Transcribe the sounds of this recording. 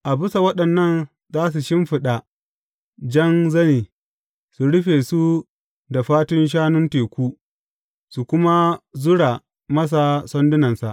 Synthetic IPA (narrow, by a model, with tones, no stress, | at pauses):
ʔa˨bʊ˦sa˨wɐ˦ɗɐ˨nːɐ˦n | zaː˦s̬u˨ʃɪ˦mɸɪ˨ɗa˨ | d͡ʒɐ˦nzɐ˦niː˨ | su˨ɽʊ˦ɸeː˨su˦ | da˨ɸaː˦tʊ˦nʃ̬aː˦nʊ˦nteː˨kʷuː˦ | su˨kʷʊ˦ma˦zʊ˦ɽa˨ | mɐ˦s̬a˨sɔ˦ndʊ˦nɐ˨nsa˨ʔ